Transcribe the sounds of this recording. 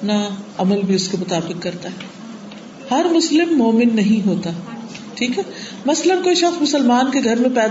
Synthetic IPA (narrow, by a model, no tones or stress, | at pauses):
ɐpnaɐməlbʱiʊskemʊt̪aːbɪqkɐɾt̪aɦɛ | hɐɾmʊslɪmːoːmɪnːɐɦĩɦoːt̪aː | ʈʰiːkɦɛː | mɐslənkoːiʃɐxsmʊsəlmaːnkeɡʱɐɾmẽpɛːd̪